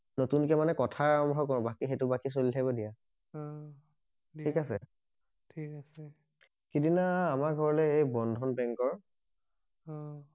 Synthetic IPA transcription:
notunkɛmanɛkɔtʰaaɹɔmbʱɔkɔɹbakixetʊbakis̬olitʰabɔdija | ikasɛ | tʰikasɛ | kidinaːmaɡʱɔɹɔlɛejbɔndʱɔnbɛŋkɔɹ

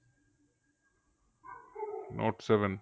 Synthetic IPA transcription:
nʔo̰ːʈsɛʋən

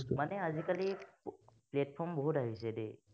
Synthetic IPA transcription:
manɛazikali | pleʈ̚pʰɔɹmbɔɦutaɦisɛde

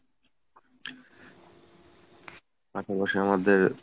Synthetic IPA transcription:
aʃabaʃiamad̪eɾ

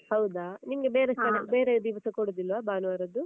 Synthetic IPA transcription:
hɐwd̪animɡebeːɾekːɐebeːɾed̪iʋɐsɐkoɽud̪ilʋaːbaːnuʋaːɾɐd̪u

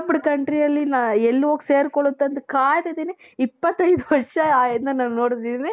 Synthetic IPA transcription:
buɽukɐɳʈɾijɐlːinaɛlːuʋoːɡseːɾkɔɭut̪ːɐnd̪ukaːjd̪ed̪ine | ipːɐt̪ːɐjd̪uʋɐɾʂɐɛnd̪ɐnɐːnnoːɽd̪id̪ine

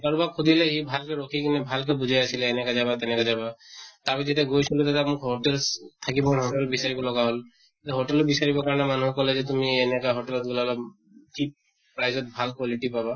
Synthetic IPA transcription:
ɡaɹubakʰud̪ʱilɛɦibʱalkɛɹokʰikinɛbʱalkɛbud͡ʒʱajasilaːnɛkazabat̪ɛnɛkazabat̪apɛzɛtɛɡojsulut̪at̪amʊkɦɔʈɛlst̪ʰakibɔkɔnɦɔʈɛlɔbisaɹibɔlɔɡaɦɔl | tɛɦoʈɛlɔtbisaɹibɔkaɹɔnɛmanuɦɛkɔlɛd͡ʒɛt̪umiɛnɛkaɦoʈɛlɔt̪̚ɡulala | t͡ʃip | pɹajzɔt̚bʱalkwaliʈipaba

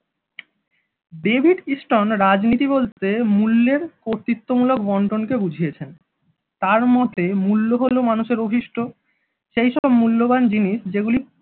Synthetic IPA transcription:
ɖebʱiɖisʈonɾad͡ʑnit̪ibolt̪emulːeɾkoɾt̪it̪ːomulokbɔɳʈonkebud͡ʑʱijet͡ɕʰen | t̪aɾmɔt̪emulːoɦolomanuʃeɾobʱiʃʈʰo | ʃejʃɔb̚mulːoband͡ʑiniʃd͡ʑeɡuli

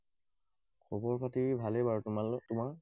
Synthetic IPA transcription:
kʰɔbɔɹpʰatibʱalebaɹaltʊmaɹ

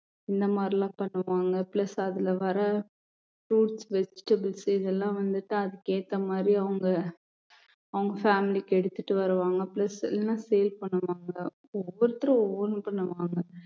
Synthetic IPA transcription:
ɪnd̪ɐmaːd̪ɾilãːpɐɳːɯʋaːŋɡɐplɐsɐðɪlɐʋɐɾɐ | fuːʈsʋɛsʈɐbɪlsɪðɛlːãːʋɐnd̪ɯʈːɯɐðɯkeːt̪ːɐmaːd̪ɾiɐʋɐŋɡɐ | ɐʋɐŋɡɐfaːmɪlikːɛɽɯt̪ːɯʈːɯʋɐɾɯʋaːŋɡɐpɪlɐsɪ̰lːɛnãːsɛjɐlpɐɳːɯʋaːŋɡɐ | ɔʋɔɾɯt̪ːɯɾɐ̃ɔʋːɔɾnpɐɳːɐʋaːŋɡɐ

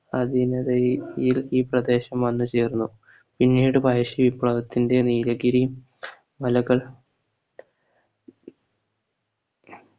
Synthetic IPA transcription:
ɐd̪inɐðɐjjiliːprɐd̪e̞ːɕɐmʋɐnːɨt͡ɕe̞ːrunːu | pinːiːɽɨbʱɐjɐɕiʋipːɭɐʋɐt̪ːinde̞niːɾɐɡiɾi | mɐlɐɣɐɭ

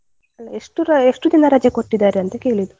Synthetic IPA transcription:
ɐlːɐeʂʈuɾɐeʂʈud̪inɐɾɐd͡ʒjɐkoʈːid̪aːɾeɐnt̪eke̞ːɭid̪u

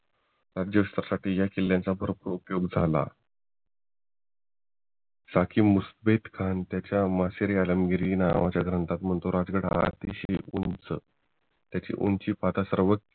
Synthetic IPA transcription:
ɾad͡ʑjəst̪əɾsaʈiːjakilːjãnt͡sabʱəɾpɾupjoɡd͡zʱala̰ | sakʰiːmusbet̪kʰant̪jat͡ɕjamaseɾialəmɡiɾina̰ʋat͡ɕaɡɾənt̪at̪m̤əɳt̪oɾad͡zɡəɽa̰a̰t̪iɕeunt͡sə̰ | t̪jat͡ɕḭːʔunt͡ɕiːpat̪asəɾʋək

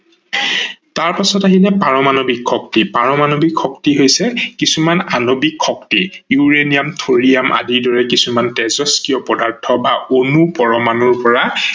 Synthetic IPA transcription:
taɹpasɔtaɦilɛpaɹɔmanobikxɔk̚tipaɹɔmanobikxɔktiɦojsɛkisumananobikʰxɔktijuɹenijamtʰoɹiamʔa̰diɹdɔɹɛkisumantɛzɔskijɔpɔdaɹtʰɔbaonupɔɹɔmanɔɹpɔɹa

